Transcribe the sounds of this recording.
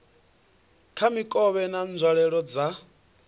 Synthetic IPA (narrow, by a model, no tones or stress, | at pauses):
kʰamikʼɔβɛnand͡zʱwaɺɛɺɔd͡za